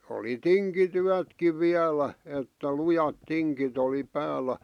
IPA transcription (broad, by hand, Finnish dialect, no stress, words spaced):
oli tiŋkityætkiʋ ʋiælæ etːæ lujɑt tiŋkit oli pæːlːæ